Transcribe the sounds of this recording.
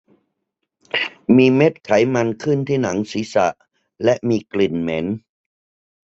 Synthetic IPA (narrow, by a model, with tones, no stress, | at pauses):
miː˧me˦˥t̪̚kʰa˩˦jma˧nkʰɯ˥˩nt̪ʰiː˥˩na˩˦ŋsiː˩˦sa̰˨˩ʔ | lɛ˦˥ʔmiː˧kli˨˩nme˩˦˥n